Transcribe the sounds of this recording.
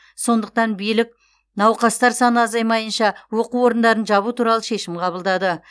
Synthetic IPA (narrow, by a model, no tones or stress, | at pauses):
so̞nd̪əq̚t̪ɑnbijlɪk̚ | nɑwqɑst̪ɑɾsɑnəɑzɑjmɑjənʃɑwo̞quwo̞ɾənd̪ɑɾənʒɑβut̪ʰuɾɑlˠəʃe̞ʃɪmqʰɑβəlˠd̪ɑd̪ə